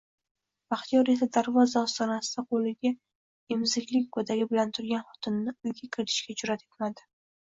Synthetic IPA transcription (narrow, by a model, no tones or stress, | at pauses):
b̥aχt̪ijɒɾjat̪ʰɪd̪aɾvɒzaɒst̪ɒnasɪd̪̥aqʰolɪɡʲa | ɪmzɪkʲlɪk̚ʲɡod̪aɡʲɪbɪlant̪ʰʊɾɡʲanχɒt̪ʰɪnːɪʊjɡʲakʲʰɪɾɪt̪ʰɪ̥ʃkʲat͡ʃʊɾat̪ʰe̥t̪mad̪ɪ